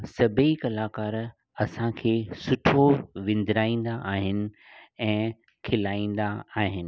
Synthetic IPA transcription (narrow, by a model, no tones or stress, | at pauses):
sɐbʱeikɐlaːkaːɾ | ɐsãkʰeːsʊʈʰoʋɪ̃nd̪ɪɾaːĩːn̆d̪aʔaːɦɪnɪ̆ | ɛ̃ː | kʰɪlaːĩːn̆d̪aaːɦɪnɪ̆